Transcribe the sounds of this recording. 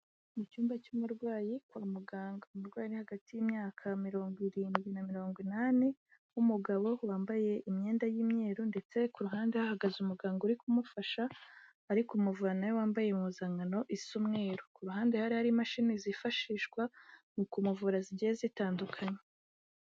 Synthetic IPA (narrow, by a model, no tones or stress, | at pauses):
mucuːmbacumuɾɡwaːjikwamuɡaːŋɡoumuɾɡwaːjinihaɡatijimɲaːkʰamiɾo̞ːŋɡwiɾiːnɡwinamiɾo̞ːŋɡwinani | umuɡaβo̞waːmbaje̞ʔimɲe̞ːndajiːmɲe̞ːɾunde̞t͡se̞kuɾuɦaːnde̞hahaɡazumuɡaːŋɡuɾikumufaʃaː | ɾikumuvuanajowaːmbajemuzaŋano̞ʔisumŋe̞ːɾukuɾuɦaːnde̞haɾihaɾimaʃinizifaʃiːʃɡwamukumuvuɾaziɟijezitaːndukʰaɲe